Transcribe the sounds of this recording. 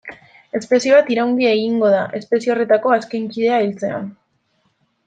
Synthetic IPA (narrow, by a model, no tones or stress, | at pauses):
e̞spe̞sioβat̪iɾawŋɡ̪iaeɣiŋɡo̞ð̞aʔe̞spe̞siore̞t̪ako̞askeŋkið̞e̞ailt͡se̞a̰n